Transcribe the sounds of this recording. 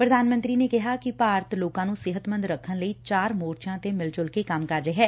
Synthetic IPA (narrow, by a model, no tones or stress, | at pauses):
pɾəd̪ʱaːnmə̃nt̪ɾiːneːkɪɦaːkɪpaːɾt̪loːkãːnũːsɪɦət̪mə̃nd̪ɾəkʰːənləiːt͡ʃaːɾmoːɾt͡ʃãːt̪emɪlt͡ʃʊlkekəmkəɾːeɦɛː